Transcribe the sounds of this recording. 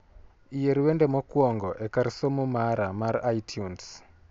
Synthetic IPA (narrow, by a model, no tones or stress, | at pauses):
ijeɾiwendɛmɔkwɔŋɡɔʔekaɾsomumaɾamaraitʰjuns